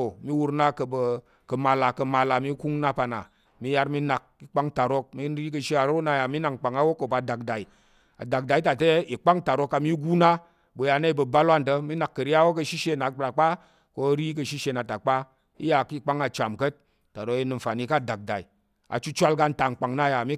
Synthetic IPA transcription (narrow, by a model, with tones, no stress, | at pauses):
o˨mi˦wu˧ɾna˦kə˧bə˧ | kə˧ma˧la˨kə˧ma˧la˨mi˦ku˦ŋna˦pa˧na̰˨ | mi˨˦ja˧ɾmi˦na˨k̚i˦k͡pa˦ŋ˦ta˨ɾo˧k̚mi˦n˦ɾi˦k̬ə˧ʃi˦a˨ɾo˦na˧˦ja˨mi˦na˨ŋ˨k͡pa˨ŋa˦wo˦kːo˨ba˧˨da˨k̚da˨i˨ | a̰˨da˨k̚da˨i˦ta˨te˦i˨k͡pa˦ŋta˨ɾo˧kːa˧mi˦ɡu˦na˦ | bə˧ja˧na˦i˨bə˧ba˦lwa˦˨n˨tə˧mi˦na˨kːə˨ɾi˦a˦wo˦k̬ə˧ʃi˦ʃe˧˨na˨ɾa˨k͡pa˦ | ko˧˦ɾi˦k̬ə˧ʃi˦ʃe˧na˨ta˨k͡pa˦ | ḭ˦ja˧˨ki˦˨k͡pa˦ŋa˧t͡ʃa˨mkə˦t̚ | ta˨ɾo˧˦ki˧nɨ˧m̩˨fa˨ni˧ka˦˨da˨k̚da̰˨i˨ | a̰˨t͡ʃu˦t͡ʃʷa˦˧lɡa˧n̩˦ta˨ŋ̩˨k͡pa˨ŋna˦ja˨mi˦